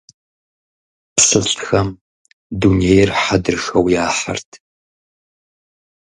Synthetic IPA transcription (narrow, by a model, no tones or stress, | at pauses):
psɨɬtxɐm | duneːjrħadɨrxɐwjaːħa̰rtʰ